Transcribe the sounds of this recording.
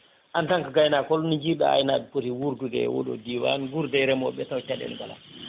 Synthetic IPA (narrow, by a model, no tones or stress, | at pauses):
ʔantaŋkaɡajnakɔlunɲd͡ʒiɗɔa̰jnaɗupuɾiwuɾduɡɛ̰wo̰ɗɔ̰diwa̰nɡuɾdɛɾɛmɔɓɛtawt͡ʃaɗɛ̰lɡala̰